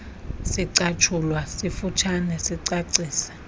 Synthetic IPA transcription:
siǀat͡ʃʰulwasifut͡ʃʰanɛsiǀaǀiːsɛ̥

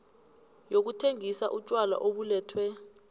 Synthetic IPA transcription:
jok̬utʰeŋisaʔut͡ʃʼwala̰ʔoɓulɛːtʰwɛ

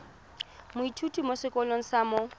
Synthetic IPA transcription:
mʊitʰutʼimosɪkʼɔloŋ̩samo

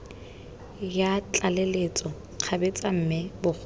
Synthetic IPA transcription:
jat͡ɬʼalelet͡sʼɔ | q͡χʰabet͡sʼam̩mɪbʊk͡x

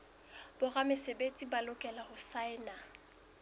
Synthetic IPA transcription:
b̥ʊramɪsebet͡sʼibalʊkʼɛlahʊsaɪna

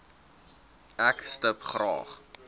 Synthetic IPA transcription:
ækstəpχrɑ̰ːχ

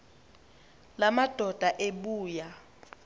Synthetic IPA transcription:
lamad̥ʱɔd̥ʱaʔeɓuːja

